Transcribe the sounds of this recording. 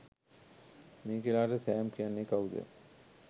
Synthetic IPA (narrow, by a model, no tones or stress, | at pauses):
meːkilaːʈət̪æːmkijanːekaud̪ə̰